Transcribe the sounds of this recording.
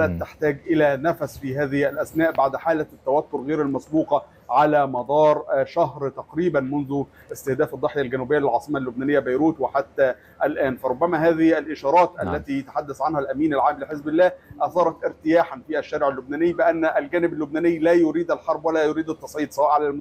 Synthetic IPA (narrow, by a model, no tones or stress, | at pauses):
æt̪ːɪħt̪æːɡʔɪlænæfæsfiɦæːðɪhælʔæsnæːʔbaʕd̪ħaːlæt̪ːæwæt̪ːʊɾɣeːɾælmɑsbuːqɑ | ʕalæːmɑd̪ˤɑːɾˤʃæɦɾt̪ɑqɾiːbænmʊnðʊ | ʔɪst̪ɪhd̪æːfɑd̪ˤːɑħjælɡænuːbɪjːlɪlʕɑːsˤɨmalːʊbnæːnɪjːæbæjɾuːt̪wɪħat̪ːæ | ʔælʔæːnfæɾˤʊbːæmæɦæːðɪhælʔɪʃɑːɾˤɑːt̪ʔæ̰lːæt̪iːjæt̪ḁħad̪ːæsʕanhælʔæmiːnælʕaːmlɪħezbɪlːæːʔɑθɑːɾˤɑt̪ʔɪɾt̪ɪjaːħanfiːʔæʃːæːɾɪʕɪlːʊbnæːnɪjːbɪʔænːʔælɡæːnɪbælːʊbnæːnɪjːlæːjʊɾiːd̪ælħɑɾˤbwælːæːjʊɾiːd̪ɑt̪ːɑsˤʕiːd̪sɑwɑːʔʕalælmʊ